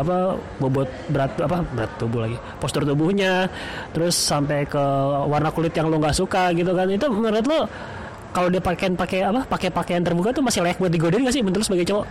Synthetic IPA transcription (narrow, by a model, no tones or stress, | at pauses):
apa | bobɔt̪̚bəɾat̪̚apabəɾat̪ːubʊhlaɡi | pɔst̪ɔrt̪ubʊhɲa | t̪əɾʊsːampekəwarnakulɪt̪jaŋlʊŋɡaʔsukaɡit̪̬ukanit̪umənəɾat̪̬lo | kalodiapakeɪnpakeapapakepakeant̪ərbukat̪umasɪhlajak̚bukət̪̚diɡodɪnɡaʔs̬ɪhmənlʊsbaɡajt͡ʃowaʔ